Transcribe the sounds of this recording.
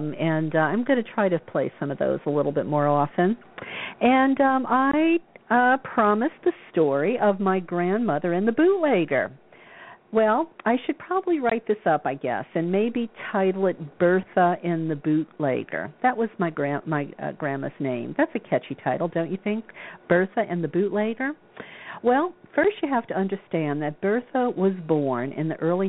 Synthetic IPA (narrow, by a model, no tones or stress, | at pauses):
mɨ̃nãɪ̃mɡʌñɨtʰɹ̥aɪɾɨpʰl̥eɪsʌ̃mʌvðo̰ʊzəlɪɾl̩ˠbɪt̚mɔɹɔfɨ̃n | ɨ̃nʌ̃aɪʌpʰɹ̥ɑmɨsðɨstɔɹiʔʌvmaɪɡɹæ̃nmʌðə˞ɨ̃nðɨbʉtˡleɪɡə̰˞ | wɛlˠaɪʃɨd̚pʰɹ̥ɑbəbliɹaɪt̪̚ðɪsʌpaɪɡɛ̰sɨ̃nmeɪbitʰaɪɾl̩ˠɨt̚b̥ɜ˞θəʔɪ̃nðɨbʉtˡleɪɡ̥ə̰˞ðɨʔ̚wʌzmaɪɡɹæ̃maɪʌ̰ɡɹæ̃mɨ̰snẽɪ̃mðætsɨkʰɛt͡ʃitʰaɪɾl̩ˠdõʊ̃nt͡ʃɨθɪ̃ŋk̚b̥ɜ˞θɨʔɨ̃nðɨbʉʔˡleɪɡə˞ | wɛlˠfɜ˞st͡ʃɨɦæftɨʌ̃ndə˞stæ̃nðɨt̚b̥ɜ˞θəwʌzbɔɹnɨ̰̃nðiʔɜ˞lˠi